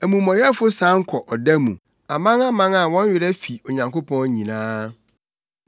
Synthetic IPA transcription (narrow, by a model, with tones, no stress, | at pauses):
æ˨mũ˨mɔ̃˨jɛ˦fʊ˦sã˦ŋ̩˦kʰɔ˨ʔɔ˨dæ˦mṵ̃˨ | a˨mã˦ŋa˦mã˦ŋa˨wɔ̃˦ɲ˦ɥɪ˨ɾɛ˦fi˨o˨ɲã˨ŋko˦pʰɔ̃˦n˦ɲĩ˨nãː˦